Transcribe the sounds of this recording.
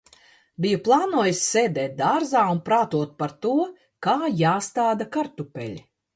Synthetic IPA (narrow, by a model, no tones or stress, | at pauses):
bijuplˠaːnuɔjisːeːd̪ɛːt̪̚d̪aːɾzaːunpɾaːt̪uɔt̪̚paɾt̪uɔ | kaːjaːst̪aːd̪akaɾt̪upɛ̰lʲi